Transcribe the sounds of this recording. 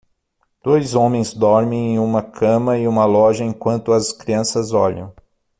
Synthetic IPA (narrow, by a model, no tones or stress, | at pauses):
d̪̥ojzõmẽj̃zd̪ɔɾmẽj̃ẽj̃ũmɐkʰɐ̃mɐɪũmɐlɔʒɐẽŋkwɐ̃nt̪ʊɐskɾiɐ̃sɐzɔ̰ʎɐ̰̃w̃